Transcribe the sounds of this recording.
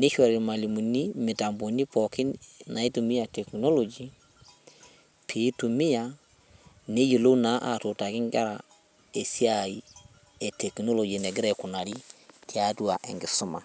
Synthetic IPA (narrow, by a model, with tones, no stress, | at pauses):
ne˦ʃɔ˨ɾma˨li˨mu˨ni˦mɪ˨ta˨mbo˨ni˦pɔ˨ki˦nna˨e˦tu˨mi˦a˨tɛ˨kno˦lo˨d͡ʒi˦ | pʰi˨˦tu˨mɪ˦ja˨ | ne˦jo˨lo˦na˨˦ʔa̰˨to˨ta˨kɪ˦ŋɡa˦ɾa˨ | e˨sa˦˨i˨ | e˨tɛ˨ki˨no˦lo˨d͡ʒe˨nɛ˨ɡɪ˦ɾɛ˨kʊ˨na˨ɾi˦tʰi˦a˦twa˨ʔḛ˨ŋɡɪ˨sʊ˦ma̰˨